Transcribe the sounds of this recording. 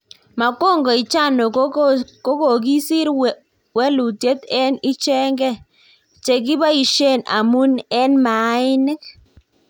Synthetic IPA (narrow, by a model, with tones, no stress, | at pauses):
ma˨ko˦˨ŋɡɔ˨i˨t͡ʃa˦˨no˨ko˦ko˨ɡi˦si˦ɾ | wɛ˦lu˨tje˦t̪ɛ˦ni˦t͡ʃɛ˦ŋɡɛ˦ | t͡ʃe˨ɡɪ˦ba˦i˨ʃe˦˨na̰˨mu˦nɛ˦nma˨˦ɪ˦nɛ˦